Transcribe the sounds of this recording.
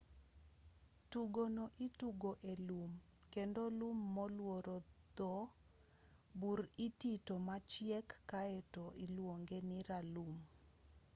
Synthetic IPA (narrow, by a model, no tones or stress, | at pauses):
tuɡonɔʔituɡoʔelum | kendolumːɔlwoɾɔd̪ɔ | buɾititomat͡ʃjɛkːaɛtɔʔilwoŋɡeniɾalum